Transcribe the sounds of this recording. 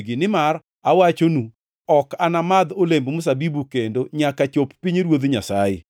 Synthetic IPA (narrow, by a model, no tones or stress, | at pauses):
ɡɪnɪmar | awat͡ʃonu | ɔkanamad̪olembmʊs̬abibukendoɲakat͡ʃoppiɲɾwod̪ɲa̰saɪ̰